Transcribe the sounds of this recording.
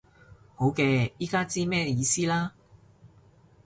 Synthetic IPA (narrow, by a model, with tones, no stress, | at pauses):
ho˨˥wkɛː˧jiː˥kaː˥t͡siː˥mɛː˥jiː˧siː˥laː˥